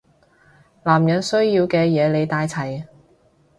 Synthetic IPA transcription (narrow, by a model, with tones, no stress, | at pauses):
laː˨˩mjɐ˨˥nsɵ˥ɥjiː˧wkɛː˧jɛː˨˧le˨˧jt̪aː˧jt͡sʰɐ˨˩j